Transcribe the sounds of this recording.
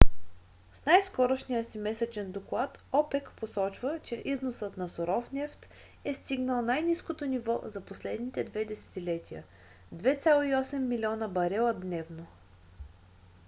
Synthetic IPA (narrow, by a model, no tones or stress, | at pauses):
fnajskɔɾoʃnijəsimɛsɛt͡ʃɛnd̪oklˠat̪ɔpɛkposɔt͡ʃvət͡ʃɛʔiznosət̪nɐsoɾɔfnɛft̪ | ɛst̪iɡnəlˠnajniskot̪onʲivɔ̰zɐposlɛd̪nit̪ɛd̪vɛd̪ɛsɛ̥t̪ilɛt̪ʲijə̰ | d̪vɛt̪sʲalˠoiɔsɛmːilʲiɔnəbɐɾɛlˠəd̪nɛvno